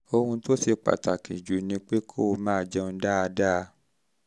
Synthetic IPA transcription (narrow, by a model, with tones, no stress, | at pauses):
o˧hũ˧to˦si˧k͡pa̰˨ta˨ki˨d͡ʒu˨˦nĩ˧˦k͡pe˦kʰo˦˧mãː˦˨d͡ʒɛ˧ũ˧˦da˦a˧da˦˧